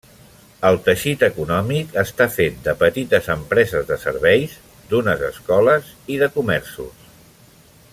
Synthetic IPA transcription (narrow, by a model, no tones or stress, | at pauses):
əlˠt̪əʃit̪əkunɔmikəst̪afet̪̚d̪əpət̪it̪əzəmpɾɛzəzðəsə̰ɾβɛjz | d̪unəzə̰skɔləziðəkumɛɾsṵs